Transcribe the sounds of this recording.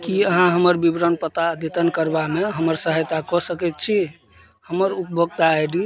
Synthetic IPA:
kiəɦãɦəməɾbibɾənpət̪ad̪et̪ənkəɾbameɦəməɾsəɦəjt̪akɔsəkɛt̪̚t͡ʃʰi | həməɾup̚bʱoɡ̚t̪aːjɖi

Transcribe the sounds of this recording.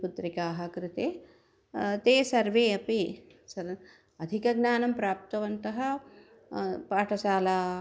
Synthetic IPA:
put̪ɾikaːɦɐ̆kɾɪt̪eː | t̪eːsɐɾʋeːɐpi | sɐɾ | ɐd̪ʱikɐɡnaːnɐmpɾaːp̚t̪ɐʋɐnt̪ɐɦɐ̆ | paːʈʰɐʃaːlaː

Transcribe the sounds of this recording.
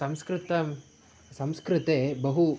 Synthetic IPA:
sɐmskɾɪt̪ɐ | sɐmskɾɪt̪eːbɐɦu

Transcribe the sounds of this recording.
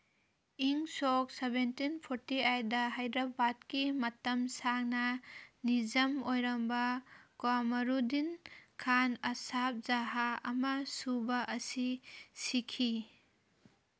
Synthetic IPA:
iŋsok̚sebentinpʰoɾtiajdɐɦajdɾɐbad̚kimɐtɐmsak̚nɐnizɐmojɾɐmbɐkwamɐɾudinkʰanɐsap̚zaɦaɐmɐsubɐʔɐsisikʰi

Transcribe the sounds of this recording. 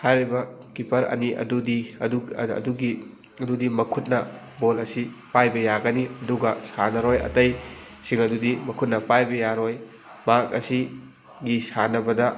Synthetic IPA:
hajɾibɐ | kipɐɾɐ̰niʔɐ̰dudiuɐ̰duɡi | ɐdudimɐkʰut̚nɐ | bolɐsipajbɐjaɡɐniɐduɡɐsanɐɾojɐ̰tɐj | siŋɐdudimɐkʰut̚nɐpajbɐjaɾoj | mak̚ɐ̰si | ɡisanɐbɐdɐ

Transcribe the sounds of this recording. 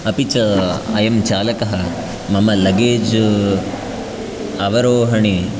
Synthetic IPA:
ɐpit͡ʃɐɐ̰jɐmt͡ʃaːlɐkɐɦɐ | mɐmɐlɐɡeːd͡ʒ | ɐʋɐɾoːɦɐɳi

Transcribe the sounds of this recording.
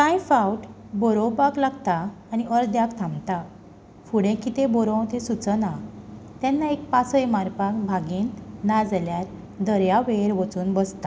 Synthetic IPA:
kãjfawʈ | bɔɾõwpaklaɡt̪aː | niəɾd̪jakt̪ʰãmt̪a | fuɽẽkit̪ẽbɔɾɔ̃w̃t̪ẽsut͡sənat̪anːaek̚pasəjmaɾpakbʱaɡiːnːad͡zljaɾ | d̪əɾjaʋeɾʋət͡suːnbəst̪a

